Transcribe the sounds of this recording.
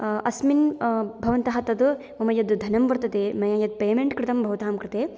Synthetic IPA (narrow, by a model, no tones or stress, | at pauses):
ʔɐsminbʱɐʋɐnt̪ɐɦɐt̪ɐd̪ | mɐmɐjɐd̪d̪ʱɐnɐmʋɐɾt̪ɐt̪eːmɐjaːjɐd̪̚peːmeɳʈkɾɪt̪ɐmbʱɐʋɐt̪aːmkɾɪt̪eː